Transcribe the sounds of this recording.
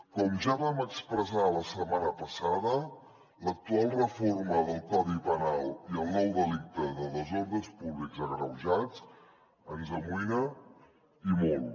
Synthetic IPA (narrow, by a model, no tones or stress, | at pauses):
kɔmʒaβaməkspɾəzaləsəmanəpəsaðə | lək̚t̪ualˠrəforməðəlˠkɔðipənalˠiəlˠnɔwd̪əlik̚t̪əðəðəzonðəspuβlikzəɣɾəwʒat͡s | ənzəmuinə | imɔlˠ